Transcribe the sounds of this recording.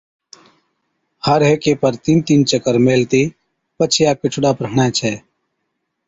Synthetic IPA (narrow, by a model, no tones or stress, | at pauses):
həɾɦekepəɾt̪int̪iːnt͡ʃəkəɾmeːlt̪i | pət͡ʃʰjaːkɪt͡ʃʰʊɽaːpɾəɦɳat͡ʃʰɛː